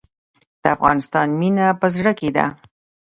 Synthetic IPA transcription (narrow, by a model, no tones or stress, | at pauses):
d̪̥əafɣɑnɪst̪ɑnminapəzɽəked̪a̰